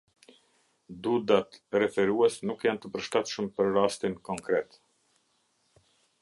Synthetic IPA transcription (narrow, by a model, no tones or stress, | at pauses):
d̪ud̪at̪rɛfɛɾuɛsnukjant̪əpəɾʃt̪at̪ʃəmpəɾɾast̪inkɔŋkɾɛt̪